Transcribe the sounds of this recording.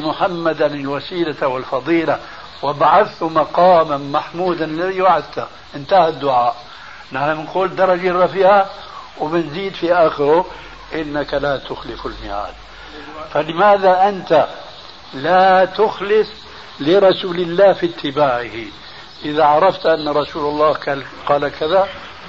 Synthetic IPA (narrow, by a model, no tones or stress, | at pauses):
mʊħamːad̪anɪlwasiːlawɪlfɑðˤiːla | wɪbaʕaθt̪ʊmɑqɑːmanmaħmuːd̪anɪlːaðiwaʕɪd̪̚t̪a | ʔɪnt̪aːhɪd̪ːʊʕaːʔ | naħnamɪnquːld̪ɑɾˤːɑd͡ʒarːɑfɪːʕa | wbɪnziːd̪fiʔaxɪɾʊ | ʔɪnːakalat̪ʊxlɪfɪlmɪja̰ːd̪ | falɪmaːðaʔɪnt̪a | lat̪ʊxlɪsˤ | lɪɾˤɑsuːlɪlːaːhfit̪ʰːɪbaːʕɪhi | ʔɪðaʕɑɾˤɑft̪ʔanːɾˤɑsuːlalˤːɑːka | qɑːlakaða